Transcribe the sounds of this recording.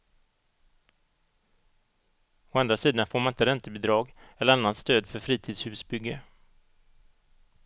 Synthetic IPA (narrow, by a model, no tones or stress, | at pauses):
ʊand̪ɾasiːd̪anfoːɾmanɪnt̪əɾɛnt̪əbɪd̪ɾɑːɡɛlːəɾanːanst̪øːd̪fœɾfɾiːt̪ʰiːd̪shʉ̟ːsbʏɡːə